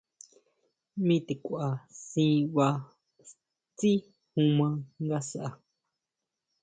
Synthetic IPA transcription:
mĩ˦t̪e˨kʷu˨ʔa˨sĩː˧˦βa˧ | t͡si˦ | hũ˧mã˧ŋɡa˦sa˦ʔa˨

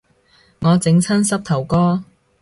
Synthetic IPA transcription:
ŋɔː˨˧t͡sɪ˨˥ŋt͡sʰɐ˥nsɐ˥p̚t̪ʰɐ˨˩wkɔː˥

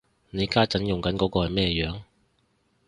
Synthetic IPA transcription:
ne˨˧jkaː˥t͡sɐ˨˥njʊ˨˩ŋkɐ˨˥nkɔː˨˥kɔː˧hɐ˨jmɛː˥˧jœː˨˥ŋ

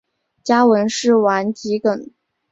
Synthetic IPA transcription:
t͡ɕja˥wə˧˥nʂɻ̩˥˩wa˧˥nt͡ɕi˧˥kə˨˩n

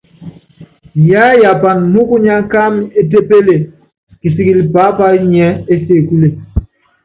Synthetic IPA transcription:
ja˦ja˨pa˨n˨nu˦ku˦ɲa˦ŋ˦ka˦me˦t̬e˦pe˦le˨ | ki˨si˨ɡi˨li˨pa˨˦pa˦ɲɛ˦e˦se˦˨ku˦le˨

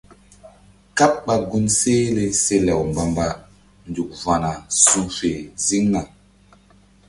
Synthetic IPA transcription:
ka˦p̚ɓa˨ɡu˦nse˦le˨se˦lɛ˨wm˨ba˨mba˦ | n˨du˨k̚va˨na˨su˦fe˨zi˦ŋna˨

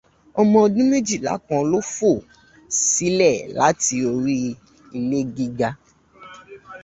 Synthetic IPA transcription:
ɔ˧mɔ̃˧ɔ˧dũ˦me˦d͡ʒi˦˨la̰˨˦kã˧lo˦fo˦˨ | si˦lɛ˦˨la˨˦ti˧o˧ɾi˦ | i˧le˦ɡi˧ɡa˧

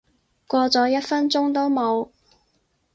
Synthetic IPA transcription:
kʷɔː˧t͡sɔː˨˧˥jɐ˥t̚fɐ˥nt͡ʃʊ˥ŋt̪o˥wmo˨˧w

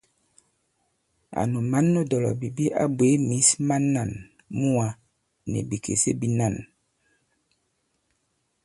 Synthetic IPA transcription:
a̰˨nu˨ma˦nːo˦dɔ˨lɔ̰˨bi˨bi˦ʔa̰˦bwe˨˦mi˨˦sma˦nːa˨n | mu˦a˨ | nḛ˨bi˨kʰḛ˨sḛ˦bi˨na˦˨n

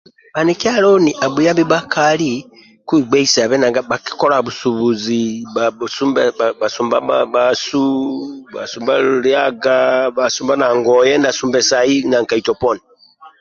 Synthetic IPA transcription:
ba˨niki˦a˦lɔ˦ni˨ʔa˨bu˨ja˦mbi˦ba˦kʰa˨li˦ | kwi˦˨ɡ͡bɛ˦i˦sa˨βɛ˦na˨ŋɡa˦ba˨ki̥˦kɔ˦ɾa˨βu˨su˨βu˨zi˨ba˨su˦mba˨su˨mba˦baba˨su˦ba̰˨su˨mba˦lja˦ɡa˦ba˨su˨mba˦na˨ŋɡɔ˨jɛ˦nda˨su˨mbɛ˨sa˨i˦na˨ŋka˨i˨tɔ˨pɔ˦ni

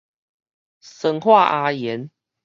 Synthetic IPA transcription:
sə˨ŋxwa˥˨ʔa˧jɛ˨˦n

